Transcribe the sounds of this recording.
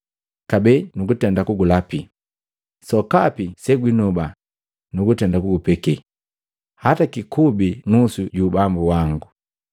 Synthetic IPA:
kabɛnuɡutɛndakuɡulapi | sɔkapisɛɡwinɔba | nuɡutɛndakuɡupɛkɛ | hatakikubinusuɟuːbambuwaŋɡu

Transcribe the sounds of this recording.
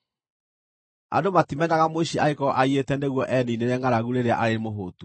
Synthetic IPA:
a̰domatimɛnaɣamoiɕiaekɔʔaietɛndeɣwɔʔɛnineɾɛŋaɾaɣuɾeɾea̰ʔaɾemoɦotu

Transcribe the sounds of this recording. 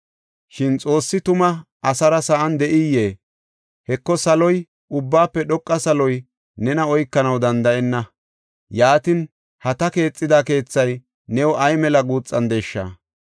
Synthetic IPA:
ʃɪnt͡sʼo̞ːsːɪt̪ʊmɐ | ɐsɐɾɐsɐʔɐnd̪ɛʔɪjːeː | hɛkːɔsɐlɔj | ʊbːaːpːɛɗɔkʼːɐsɐlɔj | nɛnɐɔjkːɐnɐwd̪ɐnd̪ɐʔɛnːɐ | jaːt̪ɪn | hɐt̪ɐke̞ːt͡sʼːɪd̪aːke̞ːt͡sːɐj | nɛwɔʔɐjmɛlɐɡuːt͡sʼːɐnd̪ɛʃːɐ̰ː

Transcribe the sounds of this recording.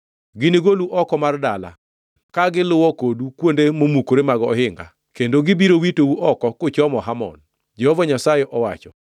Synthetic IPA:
ɡɪniɡoluʔɔkɔmardala̰ | kaɡɪlʊwɔkodukwondemomukoɾemaɡɔɔɦɪŋɡa̰ | kendoɡɪbiɾowitowuʔɔkɔkʊt͡ʃɔmɔɦamɔ̰n | d͡ʒɛhɔvaɲasajeʔɔwa̰t͡ʃɔ

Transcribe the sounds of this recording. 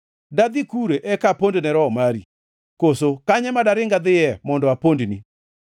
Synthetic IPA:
dad̪ikuɾeʔɛkapondnɛɾɔmaɾi | kosokaɲɛmadaɾɪŋɡad̪ɪjɛmɔndɔapondni

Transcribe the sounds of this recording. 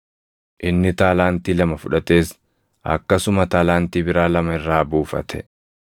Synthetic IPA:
ʔɪnːɪt̪aːlaːnt̪iːlɐmɐfʊᶑɐt̪e̞ːs | ʔɐ̰kːɐsʊmɐt̪aːlaːnt̪iːbɪɾaːlɐmɐɪrːaːbuːfɐ̰t̪ʰɛ̥

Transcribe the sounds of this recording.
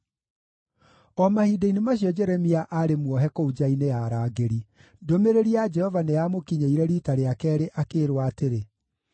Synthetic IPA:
ɔmahideinumaɕiɔd͡ʒɛɾɛmiaʔaɾemwɔɦɛkoud͡ʒaineaɾaːɡeɾi | domeɾeɾiad͡ʒɛhɔvaneamokiɲeiɾɛɾitaɾeakɛːɾeʔakeːɾwaːteɾe

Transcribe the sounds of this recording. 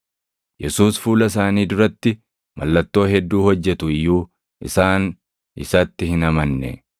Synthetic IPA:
jɛsuːsfuːlɐs̬aːniːd̪ʊɾɐt̪ːɪ | mʔɐ̰lːɐt̪ːo̞ːhɛd̪ːuːhɔd͡ʒːɛt̪ʊɪjːuː | ʔɪ̰saːn | ɪsɐt̪ːɪhɪnɐmɐnːɛ̰

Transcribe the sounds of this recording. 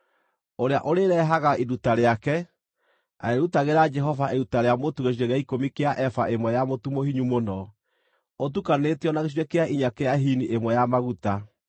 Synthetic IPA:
oɾeaʔoɾeɾɛɦaɣaʔidutaɾeakɛ | a̰eɾutaɣeɾad͡ʒɛɦɔvaʔeɾutaɾeamotuɣeɕ̬iɛɣɛikomikeaʔɛfaʔemwɛjamotumohiɲumonɔ | ot̬ukaneteɔnaɣeɕ̬iɛkeaiɲakeaɦiniʔemwɛjamaɣuta

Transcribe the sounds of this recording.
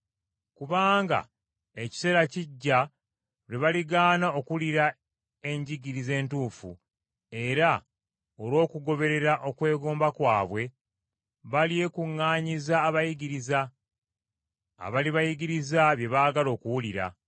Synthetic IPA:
kuβaːŋɡa̰ | e̞ci̥se̞ːɾaciɟːa | ɾeβaliɡaːnao̞kuliɾa | e̞ɲɟiɡiɾize̞ːntuːfṵ | e̞ɾa | olwo̞ːkuɡo̞βe̞ɾe̞ɾaʔo̞kwe̞ːɡo̞ːmbakwaːβwe̞ | βalie̞kuŋːaːɲizaːβajiɡiɾiza | βaliβajiɡiɾizaβje̞βaːɡalo̞ːkuwuliɾa̰

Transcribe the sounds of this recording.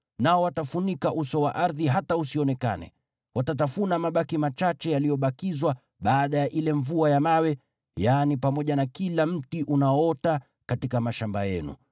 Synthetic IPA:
naɔwatafunikaʔusɔwaʔaɾðiɦatausiɔnɛka̰nɛ̰ | watat̬afunamaɓakimat͡ʃat͡ʃɛjalijɔɓakizwa | ɓaːɗajaʔilɛɱvuajamawɛ | janipamɔʄanakilam̩tiʔunaɔɔta | katikamaʃamba̰jɛ̰nṵ

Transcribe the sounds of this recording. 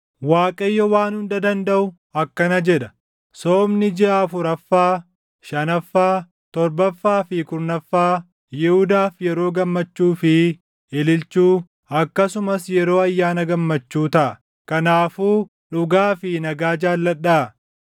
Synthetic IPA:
waːkʼɐjːɔwaːnhʊnd̪ɐd̪ɐnd̪ɐʔʊ | ɐkːɐnɐd͡ʒɛᶑɐ̥ | soːmnɪd͡ʒɪaːfʊɾɐfːaː | ʃɐnɐfːaː | t̪ɔɾbɐfːaːfɪkʊɾnɐfːaː | jɛhʊd̪aːfjɛɾoːɡɐmːɐt͡ʃːuːfɪ | ɛlɪlt͡ʃuː | ɐkːɐsʊmɐsjɛɾo̞ːɐjːaːnɐɡɐmːɐt͡ʃːuːt̪ɐʔɐ | kɐnaːfuː | ᶑʊɡaːfɪnɐɡaːd͡ʒaːlːɐɗːaʔɐ

